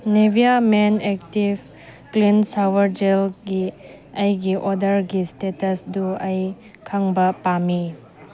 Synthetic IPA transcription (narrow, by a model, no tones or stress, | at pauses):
nebʱiamenek̚tib | klinsawwɐɾd͡ʒelɡi | ɐjɡiʔɔdɐɾɡistetɐsduɐj | kʰaŋbɐpami